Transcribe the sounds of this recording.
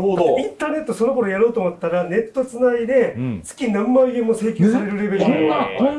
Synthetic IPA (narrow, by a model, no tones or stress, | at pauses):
aĩt̪aːne̞t̪ːoso̞no̞ko̞ɾo̞jaɾo̞ːt̪omot̪ːaɾane̞t̪ːo̞t͡sɨnaid̪e̞t͡sɨ̥kʲinãmːaiɡẽmːose̞ːkʲoːsaɾe̞ɾɯ̟ɾe̞be̞ɾɯeoa